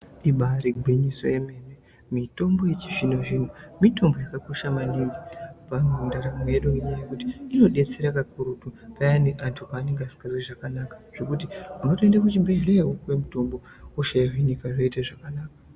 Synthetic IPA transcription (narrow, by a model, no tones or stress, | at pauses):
iɓaɾiɡʱwiɲiso̞̰je̞me̞ːne | mito̞mbo̞je̞t͡ʃiʐinoʐin̤omito̞mbo̞jakako̞ʃamaniŋɡipamweundaɾameeɗuŋɡeɲajajekuti̥ino̞ɗe̞t͡se̞ɾakakuɾutupajaneʔantʰupaːneŋɡeasi̥kariʐakanaːkḁʐ̥o̞kutiunotiendakut͡ʃibʱeʒleawukwemito̞mbo̞ | uʃajiriɲikaʐoitaʐakanaːka